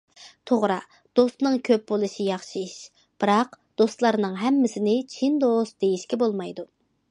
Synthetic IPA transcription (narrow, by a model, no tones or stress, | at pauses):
t̪ʰoʁɾɑ | d̪̥ost̪nɨŋkʲʰøp̚bolˠɨʃijɑχʃiʃ | b̥ɨɾɑqd̪̥ost̪lˠɑɾnɨŋɦɛmːɪsɪnɪt͡ʃʰind̪ost̪d̪ejiʃkʲɛbolˠmɑjd̪u